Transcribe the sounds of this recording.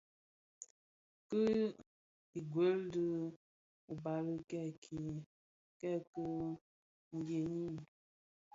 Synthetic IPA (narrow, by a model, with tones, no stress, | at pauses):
kɨ˦ | i˨ɡwe˨˦ldɨ˦ | u˨ba˨lə˦kɛ˦˨kʰi˨˦ | kɛ˦˨ku˦ | ŋ̩˨ɡje˨ɲi˦